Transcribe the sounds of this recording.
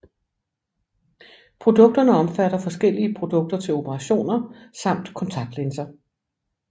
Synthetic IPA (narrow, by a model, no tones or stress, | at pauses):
pʰʁo̝d̥ɔ̽ɡ̥̚d̥ɐnəɒ̽mfæɾ̥ɐfɒ̽sɡ̥el̰iəpʰʁo̝d̥ɔ̽ɡ̥̚d̥ɐt͡sʰe̝lo̝pʰəʁɑ̈ɕo̝̰ːnɐsɑ̈m̰d̥kʰɒ̽nt͡sʰɑ̈ɡ̥d̥lensɐ